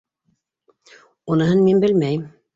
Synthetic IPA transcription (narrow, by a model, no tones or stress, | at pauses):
unɤ̆ɦɤnminbɘlmæjɘm